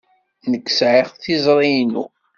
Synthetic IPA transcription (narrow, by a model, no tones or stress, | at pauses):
nəkːsʕiʁθizˤɾˤijnṵ